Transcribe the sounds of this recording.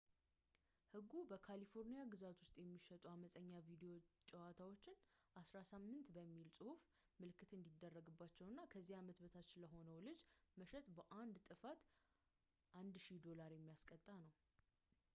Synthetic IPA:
hɨɡːubəkʰalifo̞ɾnijaɡɨzat̪wʊst̪ʼjɛmːiʃɛt̪ʼuaməsʼəɲːavid̪eo̞t͡ʃʼɛwat̪ʰawo̞t͡ʃːɪnʔasɾasɨmːɨnt̪bəmːilsʼɨhuf | mɨlkʰɨt̪ɨnd̪id̪ːərːəɡɨbːat͡ʃːɛwnːakʰəzːihamət̪bət̪ʰat͡ʃːɪnləɦo̞nəwlɨd͡ʒməʃɛt̪ʼbəʔand̪t̪ʼɨfat̪ | ʔand̪ʃid̪o̞laɾjɛmːijaskʼət̪ʼːanəw

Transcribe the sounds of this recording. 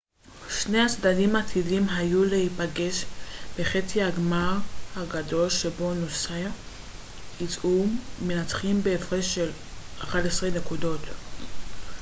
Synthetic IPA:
ʃne̞hat͡sdadimat̪ʰidimɦajulehipaɡe̞ʃbe̞χet͡siaɡmaʁhaɡado̞lʃebo̞nosea | it͡sʔumenat͡sχimbeːfʁeʃelaχadesʁene̞kudo̞t̪

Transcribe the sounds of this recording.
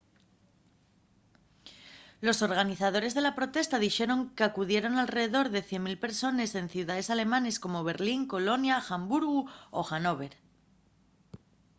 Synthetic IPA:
lo̞so̞ɾɣaniθað̞o̞ɾe̞zð̞e̞lapɾo̞t̪e̞st̪að̞ixe̞ɾo̞ŋkeakuðje̞ɾo̞nalre̞ðeðo̞ɾðe̞θje̞nmilpe̞ɾso̞ne̞se̞nθjuðaðe̞sale̞mãne̞sko̞mo̞β̞e̞ɾliŋko̞lo̞njaxambuɾɣuoxano̞β̞e̞ɾ

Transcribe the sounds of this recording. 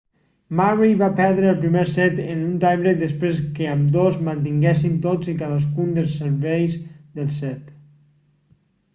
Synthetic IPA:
mariβapɛɾðɾəːlˠpɾimeɾsɛt̪ənunt̪ajβɾek̚ðəspɾes̬kəəmd̪ozmənt̪̬iŋɡɛsint̪od͡zikaðəs̬kund̪əlˠsəɾβɛjzðəlˠsɛt̪

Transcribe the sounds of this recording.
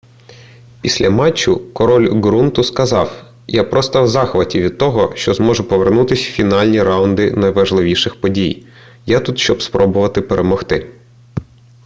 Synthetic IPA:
pʲisʲlʲɐmɑt͡ʃːʊkɔɾɔlʲɡɾunt̪ʊskɐzɑw | japɾɔst̪ɐwzɑxʋɐtʲiʋʲid̪̚t̪ɔɦɔʃt͡ʃɔzmɔʒʊpɔʋernut̪ɪsʲfʲinɑlʲnʲiɾɑʊnd̪ɪnɐjʋɐʒlˠɪʋʲiʃɪxpɔdʲij | jat̪ut̪ʃt͡ʃɔbspɾʔɔbʊʋɐt̪ɪpeɾʔemɔxt̪ɪ

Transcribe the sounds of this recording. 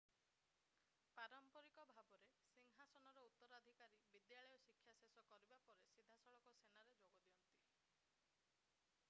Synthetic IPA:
paɾɔmpɔɾikɔbʱabɔɾesiŋɦasɔnɔɾɔut̪ːɔɾad̪ʱikaɾibid̪jaɭɔjɔsikʰːjasesɔkɔɾibapɔɾesid̪ʱasɔɭɔkɔsenaɾed͡ʒoɡɔd̪iɔnt̪i

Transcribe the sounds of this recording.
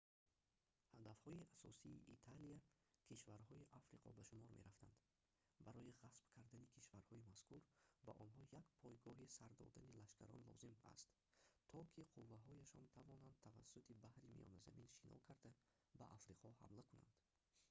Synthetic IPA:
had̪afhɔiasɔ̰siːʔit̪ʰalia | kʰiʃvaɾhɔiʔafɾiqʰɔbaʃumɔɾme̞̰ɾaft̪and̪ | baɾɔjiʁasb̥kʰaɾd̪anikʰiʃvaɾhɔimaskuɾba̰ʔɔnɦɔjaɡpʰɔjɡɔɦisaɾd̪ɔ̰d̪anilaʃkʰaɾɔnlɔ̰zima̰st̪ | t̪ʰɔkʰiqʰuvːaɦɔjaʃɔnt̪ʰavɔnand̪̚t̪ʰava̰sːut̪ʰibahɾimḭjɔ̰naza̰minʃinʔɔ̰kʰaɾd̪a | baʔafɾiqʰɔha̰mlakʰuna̰nd̪̥

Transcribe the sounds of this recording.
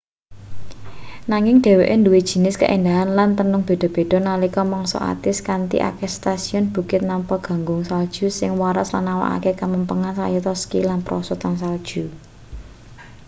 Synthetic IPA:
naŋɪŋɖ̥e̤weʔenduwid̥ʒ̥i̤nɪskə̰ʔend̪aɦanlant̪ənʊŋb̥e̤ɖ̥ɔ̤b̥e̤ɖ̪̥ɔ̤nalikɔmɔŋsɔ̰a̰t̪ɪskant̪ḭʔa̰kest̪asiɔnb̥ṳkɪt̪̚nampɔɡ̥ä̤ŋɡʊŋsald̥ʒ̥ṳsɪŋwaɾaslanːawa̰ʔa̰kekaməmpəŋansa̰jut̪ɔskilanpɾɔ̰sut̪ansald̥ʒ̥ṳ

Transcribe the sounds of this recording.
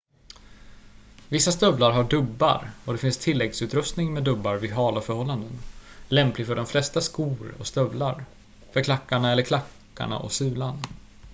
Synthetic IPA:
vɪsːast̪œvlaɾɦaɖɵbːa̰ɾɔd̪ɛfɪnst̪ʰɪlːɛɡsʉ̟ːt̪ɾɵst̪nɪŋmɛd̪ɵbːaɾvɪɦɑːlafœɾhɔlːand̪ənlɛmplɪɡfœɖɔmflɛst̪askuːɾɔ̰st̪œvlaɾ | fœɾkʰlakːaɳaɛlːəɾkʰlakːa̰ɳa̰ʔɔ̰sʉ̟ːlaɳ

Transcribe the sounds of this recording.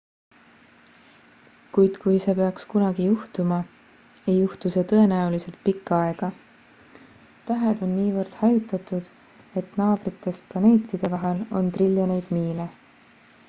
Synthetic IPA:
kujd̪̥kujse̞pe̞ɑkskunɑɡijuht̪umɑ | e̞jːuht̪use̞ːt̪ɤe̞næulise̞lt̪̚pikːɑɑe̞ɡ̥ɑ | t̪æɦe̞d̪̥o̞nːiːvɤrd̪̥hɑjut̪ːˑɑt̪ˑud̪̥ | e̞t̪nɑːb̥ɾit̪ːˑe̞st̪̚plɑne̞ːt̪ːid̪̥e̞vɑɦe̞lo̞̰nt̪rilʲjone̞jd̪̥miːle

